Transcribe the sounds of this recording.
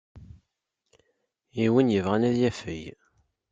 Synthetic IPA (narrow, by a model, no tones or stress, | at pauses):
iwənjəvʁænæðjæfəj